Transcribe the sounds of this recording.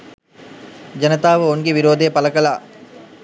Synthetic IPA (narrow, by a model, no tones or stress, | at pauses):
d͡ʒɐnɐt̪aːʋəoŋɡeʋiɾoːd̪eːpɐlɐkɐlaː